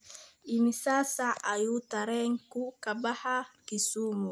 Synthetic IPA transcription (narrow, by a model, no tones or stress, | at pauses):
imisasaʔajutaɾɛŋkukabahakisumu